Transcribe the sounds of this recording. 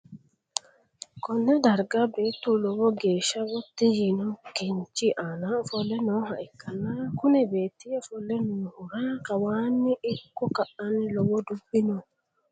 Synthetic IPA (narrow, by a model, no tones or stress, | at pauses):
kɔnːɛd̪ɐɾɡabe̞ːt̪ːʊlɔwɔɡe̞ːʃːɐwɔt̪ːɪjinɔkɪnt͡ʃːɪʔaːnɐɔfɔlːɛnɔɦɐʔɪkʰːɐnːɐkʊnɛbeːt̪ːɪɔfɔlːɛnoːhʊɾakɐwaːnːɪʔɪkːɔkɐʔɐnlɔwɔd̪ʊbːɪnɔ